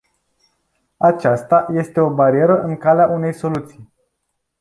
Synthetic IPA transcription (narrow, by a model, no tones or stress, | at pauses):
at͡ʃast̪aje̞st̪e̞o̞baɾie̞ɾəʔɨŋkaleaʔune̞jso̞lut̪sij